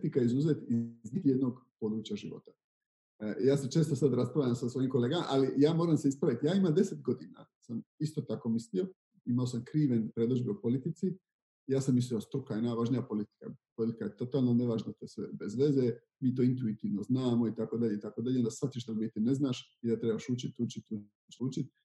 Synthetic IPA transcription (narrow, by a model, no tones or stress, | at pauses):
it̪ikaeizuze̞ːt̪iznid̪jed̪no̞ɡpo̞d̪ɾuːt͡ɕaʒiʋo̰t̪ḁ | jaːset͡ʃe̞ːst̪osad̪ɾaspɾaʋʎamsasʋo̞jimko̞le̞ːɡama̰ʔalijaːmo̞ːɾamseispɾaʋit̪jaːimad̪e̞set̪ɡo̞d̪ina̰ | samist̪o̞t̪ako̞mislio̞ | imaosamkɾiːʋenpɾed̪od͡ʒbiupo̞lit̪it̪si | jaːsamːis̬lijost̪ɾukajenajʋaʒnijapo̞lit̪i̥ka̰polit̪i̥kajet̪o̞t̪aːlˠnone̞ʋaʒnat̪osʋḛbezʋe̞ze | miːt̪̬oint̪uit̪iːʋnoznaːmo̞it̪ako̞d̪aʎe̞it̪ako̞d̪aʎeond̪asat̪̚iʃt̪abit̪ine̞znaːʃ | id̪at̪ɾebaʃut͡ʃit̪ut͡ʃit̪u | t͡ʃut͡ʃit̪̚